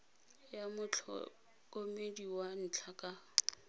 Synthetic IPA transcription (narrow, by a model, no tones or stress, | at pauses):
jamʊt͡ɬʰɔ̰ | kʼomediwan̩t͡ɬʰakʼa